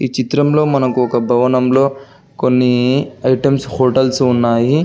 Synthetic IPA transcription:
iːt͡ʃit̪ɾɐmlo̞ːmɐnɐkuɔkɐbʱɐʋɐnɐmlo̞ː | konːiɐjʈɐmshoːʈɐlsunːaːji

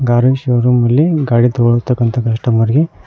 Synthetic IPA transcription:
ɡaːɾuʃoɾumɐlːiɡaːɽit̪oɭut̪ːɐkːɐnt̪ʰɐkɐʂʈɐmɐɾɡe

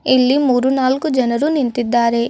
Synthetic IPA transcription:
ilːimuːɾunaːlkud͡ʒɐnɐɾunint̪id̪ːaːɾe̞

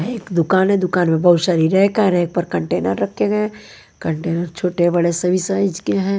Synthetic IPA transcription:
eːkd̪ʊkaːnɦɛ̃d̪ʊkaːnmẽbɐɦʊʃɐɾiːɾɛ̃kaɾeːk̚pɐɾkɐ̃ɳʈeːnə̰ɾːɐkʰeɡɐẽ | kə̃ɳʈeːnəɾt͡ʃʰoːʈebɐɽesɐbʱisaɪd͡ʒkeɦɛ̃ː

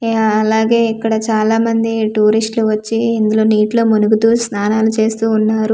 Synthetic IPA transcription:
ɐlaːɡe̞ːikːɐɽɐt͡ʃaːlaːmɐnd̪iʈuːɾisʈluʋɐt͡ʃːiind̪ulo̞ːniːʈloːmunuɡut̪uːsnaːnaːlut͡ʃe̞ːst̪uːnːaːɾu

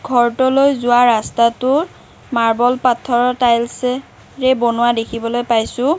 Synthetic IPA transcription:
ɡʱɔɹtɔlojzʊwaɹastatʊɹ | maɹbɔlpatʰːɔɹɔtajls | ɹɛbɔnʊwadekʰibɔlojpajsʊ̃

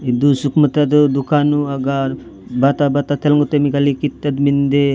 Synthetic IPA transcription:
id̪usukmət̪ad̪d̪ukanuaɡaɾ | bat̪abat̪at̪ʰelŋɡot̪emikalikit̪ːat̪mind̪e

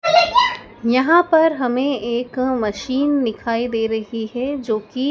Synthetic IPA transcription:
jɐɦãpɐɾɦɐmẽeːkmɐʃiːnːɪkʰaːid̪eːɾɐɦiɦɛd͡ʒoːki

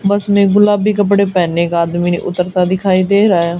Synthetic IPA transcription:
bəsmɛ̃ːɡʊlaːbiːkəp̬ɽeːpɛːneːkaːd̪mḭʔʊt̪ːəɾt̪aːd̪ɪkʰaːid̪eːɾaːjaː

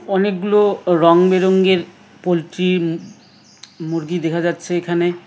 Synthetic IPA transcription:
ɔnek̚ɡuloɾɔŋbeɾoŋɡeɾ | polʈɾi | moɾɡid̪ekʰad͡ʑatːɕʰeekʰane

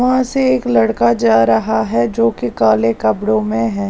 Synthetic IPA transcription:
ɦãseeːklɐɽkad͡ʒaːɾɐɦaɦɛd͡ʒoːkikaːlekɐbɽõmẽɦɛ̃ː

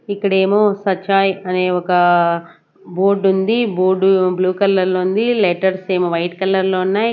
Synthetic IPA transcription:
ikːɐɽe̞ːmoːsɐt͡ʃːaːjɐne̞ːɔkɐ | boːɾɖund̪iboːɖubluːkɐlːɐɾlound̪ileʈɐɾse̞ːmoʋɐjʈkɐlːɐɾloːunːaː

